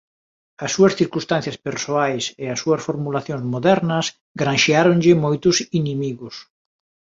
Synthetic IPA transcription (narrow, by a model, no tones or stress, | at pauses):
ɐsːuɐsθiɾkust̪ãn̟θjɐspeɾsoajseɐsːuɐsfoɾmulaθjoŋzmoðɛɾnɐs | ɡɾanʃeaɾonʎɪmojt̪ʊsinimiɣʊs